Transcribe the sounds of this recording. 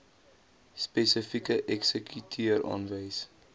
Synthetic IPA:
spɛsəfikəʔɛksəkʰytʰiəɾɑ̰ːnvəjs

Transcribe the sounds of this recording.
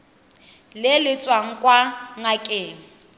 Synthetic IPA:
lɪlɪt͡sʼwaŋ̩kʼwaŋakʼeːŋ̩

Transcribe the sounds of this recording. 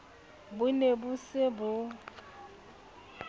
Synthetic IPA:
bʊnebusɪbʊ

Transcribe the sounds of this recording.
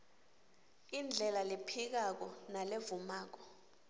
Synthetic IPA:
ind͡ɮʱɛlalepʰik̬ak̬ɔnalevumaːk̬ɔ̥

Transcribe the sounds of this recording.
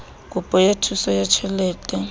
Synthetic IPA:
kʼupʼɔjatʰusɔjat͡ʃʰɛlɛːtʼɛ

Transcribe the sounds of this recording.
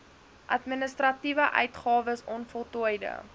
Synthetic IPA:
ʔɐtminəstrɐtivəʔœ̰ɥtχɑːvəsɔnfɔlˠtujdə̰

